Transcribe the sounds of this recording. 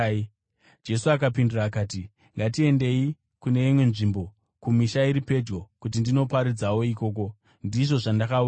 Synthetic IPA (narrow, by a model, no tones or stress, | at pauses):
d͡ʒe̞suakapinduraːkaːti | ŋɡatie̞nde̞i | kune̞imwe̞nʐimbo̞ | kumiʃaiɾipe̞d͡ʒɡo̞kut̬indino̞paɾid͡zawo̞iko̞ːk̬o̞ | ndiʐo̞ʐandakau